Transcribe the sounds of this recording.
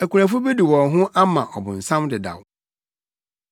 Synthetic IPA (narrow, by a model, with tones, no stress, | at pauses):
æ˨kʰʷu˨ɾæ̃˨fʊ˦be˦di˨wɔ̃˨nɦʊ̃˦ʔa˦mã˨ʔɔ˨bʊ̰̃˨n̩˨sã˦mdɪ˨da̰˨w